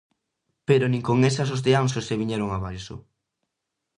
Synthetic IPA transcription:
peɾonĩŋkoŋesɐsozðeans̬oseβiɲɛɾoŋaβajsʊ̰

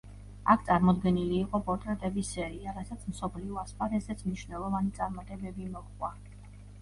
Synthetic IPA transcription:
akʰt̪sʼaɾmɔd̪ɡɛniliːqʼɔpʼɔɾt̪ʼɾɛt̪ʼɛbisɛɾiaɾasat̪sʰmsɔpʰliɔaspʼaɾɛzɛt̪sʰmniʃnɛlˠɔvanit̪sʼaɾmat̪ʼɛbɛbimɔχχwa

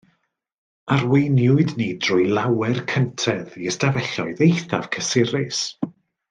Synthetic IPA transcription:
arwejnjʊɨdniːdrʊjlˠawɛrkʰəntʰɛðiəstavɛɬɔɨðejθa̰v̥kʰəsɪɾɪs

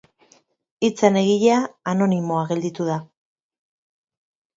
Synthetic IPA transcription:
it͡sane̞ɣiʎaano̞nimo̞aɣe̞ld̪it̪uða

